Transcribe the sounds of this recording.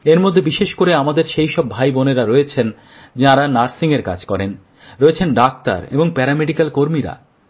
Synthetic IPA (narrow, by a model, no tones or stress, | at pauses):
eɾmod̪ʱːebiʃeʃkoɾeamad̪eɾʃejʃɔbːʱajboneɾaɾoet͡ɕʰen | d͡ʑaɾanaɾsiŋeɾka̰d͡ʑkɔɾen | ɾoet͡ɕʰenɖak̚t̪a̰ɾḛboŋpɛɾameɖikalkoɾmiɾa̰